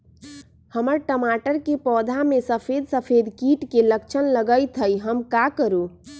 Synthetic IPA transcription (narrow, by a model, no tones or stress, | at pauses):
həməɾʈəmaʈəɾkepɔd̪ʱamesəpʰed̪səpʰed̪kiʈkeləkt͡ʃʰənləɡəjt̪ʰəjɦəmkakəɾu